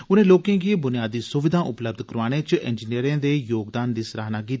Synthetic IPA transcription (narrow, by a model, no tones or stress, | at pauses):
ʊnẽːloːkẽːɡiebʊnijaːd̪iːsʊʋɪd̪ʱãːʔʊpləb̚d̪ʱkəɾʋaːɽ̃eːt͡ʃʔɛ̰nd͡ʒiniəɾẽːd̪eːjoːɡd̪aːnd̪iːsɾaːɦnaːkiːt̪ː